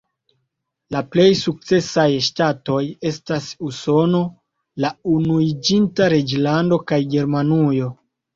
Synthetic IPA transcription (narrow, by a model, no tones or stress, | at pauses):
laple̞jsuk̚t͡se̞sajʃtato̞je̞stasuso̞no̞ | launuid͡ʒintaɾe̞d͡ʒlando̞kajɡe̞ɾmanujo̞